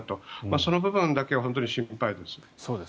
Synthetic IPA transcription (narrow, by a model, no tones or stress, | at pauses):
t̪omaso̞no̞bɯ̟bɯ̟̃nd̪ake̞ɡaɦo̞nt̪oɲiɕĩmpaid̪e̞sɨ̥ | soːd̪e